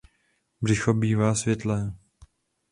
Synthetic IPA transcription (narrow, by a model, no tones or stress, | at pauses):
brɪxobiːvaːsvjɛt̪lɛː